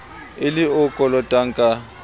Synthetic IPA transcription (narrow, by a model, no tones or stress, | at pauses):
ɪlɪʊkʼɔlɔtʼaŋ̩kʼa